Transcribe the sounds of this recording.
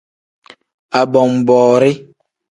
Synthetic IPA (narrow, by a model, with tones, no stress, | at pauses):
a˨bɔ˨mbɔː˨ɾe˦